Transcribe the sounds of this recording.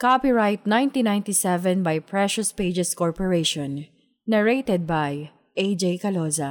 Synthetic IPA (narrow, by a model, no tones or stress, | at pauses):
kapiɹajt̪̚nãj̃nt̪inãj̃nt̪isɛvɛ̃nbajpɹɛʃɔspejd͡ʒɛskɔɹpɔɹeʃɔ̃nː | ɛɹejt̪ɛd̪̚baj | ʔejd͡ʒejkɐlosɐ